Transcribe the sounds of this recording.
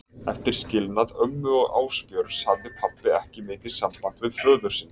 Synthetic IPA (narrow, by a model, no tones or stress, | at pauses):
ɛ̰ft̪ɪɾ̥scɪlnaðœmmːʏɔɣa̰ːwspjœɾshavðɪpʰapːɪɛhcɪmɪːt̪ɪð̥sampan̥t̪vɪðfœːðʏ̥sɪn